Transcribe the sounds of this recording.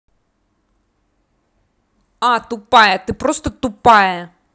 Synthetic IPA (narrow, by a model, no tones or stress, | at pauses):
at̪ʊpajɐt̪ɨpɾost̪ət̪ʊpajɐ